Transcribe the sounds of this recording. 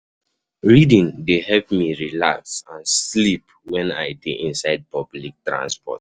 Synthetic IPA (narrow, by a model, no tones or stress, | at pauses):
ɹidĩndehɛpmiɹilaksãnslip | wɛ̃naɪdeʔĩnsaɪd̚pɔblik̚tɹã̰nspɔ̰t̚